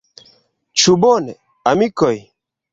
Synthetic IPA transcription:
t͡ʃubone | amikoj

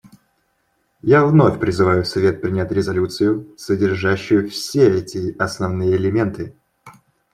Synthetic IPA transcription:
javno̞fʲpɾʲɪzɨvajʊsɐvʲe̞t̪̚pɾʲɪnʲætʲɾʲɪzɐlʲut̪sɨjʊsədʲɪrʐaɕːʊjʊfsʲeɛtʲɪɐsnɐvnɨjəɪlʲɪmʲe̞nt̪ɨ

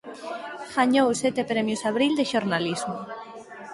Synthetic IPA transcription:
ɣaɲowsɛt̪epɾɛmjʊsaβɾild̪eʃoɾnalizmʊ

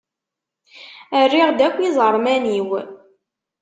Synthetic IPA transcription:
ərːiʁd̪ækʷːizˤəɾˤmæniw

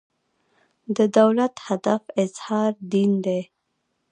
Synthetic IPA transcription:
d̪əd̪awlat̪had̪afɪz̥hɑɾd̪ind̪e

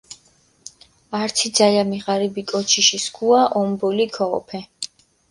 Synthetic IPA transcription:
aɾt̪sʰid̪zajamiʁaɾibikʼɔt͡ʃʰiʃiskʰuaʔɔmbɔlikʰɔɔ̰pʰɛ

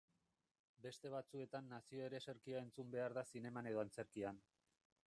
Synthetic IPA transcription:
be̞st̪e̞β̞at͡sue̞t̪anːasio̞e̞ɾe̞se̞ɾkiae̞nt͡sumbe̞aɾðasine̞mane̞ð̞o̞ant͡se̞ɾkian

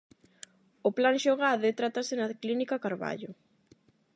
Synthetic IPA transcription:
ʊplaŋʃoɣaðet̪ɾat̪asɪnaklinikakaɾβa̰ʎʊ

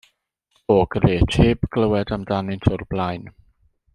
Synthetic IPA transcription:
ɔɡ̥reːtʰheːbɡ̥ləwɛdamdanɪntʰʊrblˠajn

